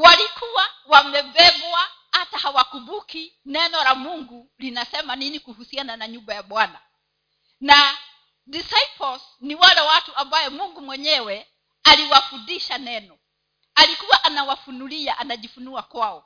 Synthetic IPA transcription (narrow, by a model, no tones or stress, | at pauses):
walikuwawamɛɓɛbwahatahawakuɓuki | nɛnɔlamuŋɡu | linasɛmaninikuhusiananaɲubajaɓwana | na | disajpɔls | niwalɛwatuambajɔmuŋɡumwɛɲɛwɛ | aliwafundiʃanɛnɔ | alikuwaʔanawafunuliaʔanaʄifunuakwaɔ